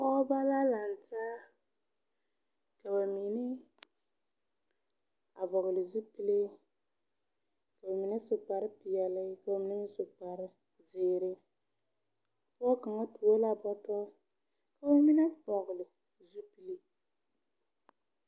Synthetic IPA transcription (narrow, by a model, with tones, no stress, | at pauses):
kɔ˦ba˦la˦la˨nta˦ | tɛ˨wa˨mi˨nɪ˦ | a˨vɔ˨ɣʊ˨lɪ˨zu˦pi˦le˦ | tɛ˨ba˨mi˨ni˦sʊ˨k͡pa˨ɾɪ˦pɪ˨jɛ˨lɪ˦ka˨a˨mi˨ni˦ŋ˦sʊ˨k͡pa˨ɾɪ˦ | zɪː˨ɾɪ˦ | ɔ˦ka˨ŋa˦tu˨o˦la˦bɔ˦tɔ˦ | ka˦wa˦mi˦na˦˨vɔ˨ɣʊ˨lɪ˨ | zu˦pi˦li˦